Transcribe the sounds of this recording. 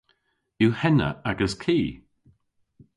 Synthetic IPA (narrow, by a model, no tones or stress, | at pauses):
juhɛnə̰aɡəskʰiː